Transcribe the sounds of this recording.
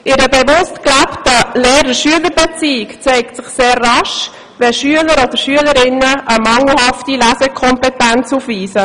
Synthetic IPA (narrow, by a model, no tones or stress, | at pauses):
ʔɪɾəbɛvʊstklæptəleːɾəʃyələɾbɛt͡siːɪkt͡seɪk̚tsɪχseːrːɑʃ | vɛʃyələɾoːd̥əʃyələɾɪnəʔəmɑŋl̩hɑftilæːzɛkʰɔmpɛtɛnt͡suːfviːsə